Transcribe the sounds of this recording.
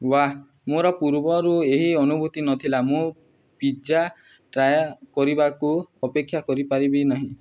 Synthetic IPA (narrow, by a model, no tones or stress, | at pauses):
wa | moɾɔpuɾbɔɾueɦiɔnubʱut̪inɔt̪ʰilamũ | pid͡ʒa | ʈɾajakɔɾibakuɔpekʰːjakɔɾipaɾibinaɦĩ